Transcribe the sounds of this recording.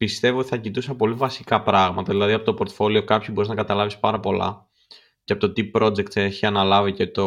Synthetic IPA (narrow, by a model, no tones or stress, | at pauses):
pist̪e̞voot̪i̥θɐcit̪usɐpo̞livɐsikɐpɾɐɣmɐt̪ɐðilɐðiɐpo̞t̪o̞po̞ɾt̪fo̞lio̞kɐpçibo̞ɾiznɐkɐt̪ɐlɐvispɐɾɐpo̞lɐ̰ | ceɐpo̞t̪ot̪ipɾo̞d͡ze̞kt̪seçiɐnɐlɐvice̞t̪o